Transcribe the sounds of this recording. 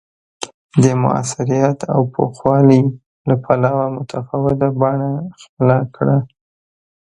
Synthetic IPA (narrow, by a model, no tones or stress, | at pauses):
d̪əmʊ̰a̰sɪɾijat̪ʰa̰wpʰo̰xwɑli | lapʰalɑwamʊt̪ʰafɑwɪd̪abɑɳaxpəlakɽa